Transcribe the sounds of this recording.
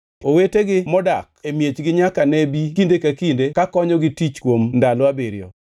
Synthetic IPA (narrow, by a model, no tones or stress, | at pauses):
oweteɡɪmɔdak̚emjet͡ʃɡɪɲakanebikindekakindekakɔɲɔɡɪtit͡ʃkwomndalɔabeɾjɔ̰